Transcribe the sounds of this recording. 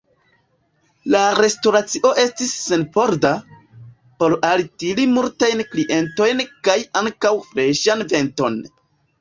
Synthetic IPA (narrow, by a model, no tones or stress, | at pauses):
laɾe̞stoɾat͡siʔo̞ʔe̞stisːe̞npo̞ɾda | po̞ɾaltilimultajnkliʔe̞nto̞jnkajaŋkawfɾe̞ʃanve̞nto̞n